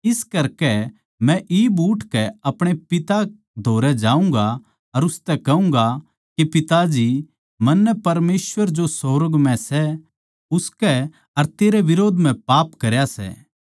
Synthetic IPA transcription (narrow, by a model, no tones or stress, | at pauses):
ɪskɐɾkɛ | mɛ̃ʔibuːʈʰkɛɐpɽ̃epɪt̪a | d̪ʱoːɾɛd͡ʒaːũŋɡa | ɐɾʊst̪ɛkɐũŋ̆ɡa | kepɪt̪ad͡ʒi | mɐnːɛpɐɾmeːsʋəɾd͡ʒosoːɾəɡmɛ̃sɛ | ʊskɛ | ɐɾt̪eːɾɛʋɪɾoːd̪ʱm̤ɛ̃paːpkɐɾjasɛ̰ː